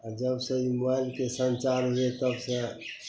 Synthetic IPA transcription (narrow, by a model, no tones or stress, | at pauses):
ad͡ʒəbsə̃imalkesə̃nt͡ʃaɾɦuet̪əbsẽ